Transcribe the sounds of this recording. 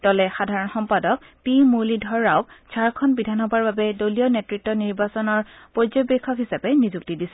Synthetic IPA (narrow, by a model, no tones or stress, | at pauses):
tɔlɛxadʱaɹɔnxɔmpadɔk̚ | pimulidʱɔɹawksʰaɹkʰɔnbidʱanxɔbaɹbabɛdoliɔnɛtɹit̚tːɔniɹbasɔnɔɹpɔzɔjbɛkʰːɔkɦisapɛnizuk̚tidisɛ